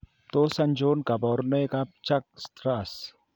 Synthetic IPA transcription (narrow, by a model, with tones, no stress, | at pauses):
t̪o˦sɐ˦nd͡ʒoː˦nka˨bɔ˨ɾne˦kap̚t͡ʃa˦k̚st̪ɾas